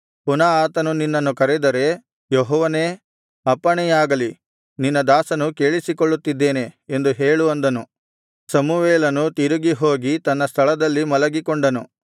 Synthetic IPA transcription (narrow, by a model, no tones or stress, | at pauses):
punaaːt̪ɐnuninːɐnːukɐɾɛd̪ɐɾe̞ | joɦɔːʋɐne̞ː | ɐpːɐɳɛjaːɡɐli | ninːɐd̪aːsɐnuke̞ːɭisikoɭːut̪ːid̪ːeːne̞end̪uɦeːɭuɐnd̪ɐnu | sɐmuʋeːlɐnut̪iɾuɡiɦo̞ːɡit̪ɐnːɐst̪ʰɐɭɐd̪ɐlːimɐlɐɡikɔɳɖɐnu